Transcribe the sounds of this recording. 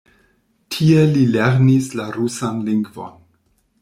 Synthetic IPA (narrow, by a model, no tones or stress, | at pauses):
tʰie̞lileɾnislaɾusanliŋɡvo̞̰n